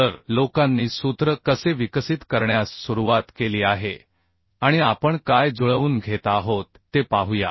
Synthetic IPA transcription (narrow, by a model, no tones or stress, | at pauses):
əɾlokãnːiːsut̪ɾəkəseʋikəsit̪kəɾɳjasːuɾuʋat̪keliːaɦe | aɽ̃iapəɳkajd͡zuɭəʋuːnɡʱet̪aːɦot̪ːepaɦuja̰